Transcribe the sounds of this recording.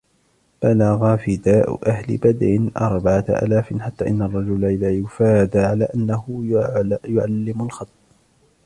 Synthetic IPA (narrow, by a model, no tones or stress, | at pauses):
b̥alaɣafiːd̪aːʔʊ̰ʔahlɪ̰bad̪ʕɪnʔɑɾˤbaʕaʔa̰ːlaːfnħat̪ːaːʔɪnːarˤːɑd͡ʒʊlaʔɪðaːjʊfaːd̪ʕalaːʔanːahʊjjʊʕalːɪmʊlxɑt̪ˤː